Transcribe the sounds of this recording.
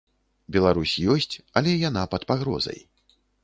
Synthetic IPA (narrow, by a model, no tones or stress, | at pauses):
bʲɛlˠaɾusʲjɔsʲt͡sʲɐlʲɛjan̪apɐt̪paɣɾɔ̰zɐ̰j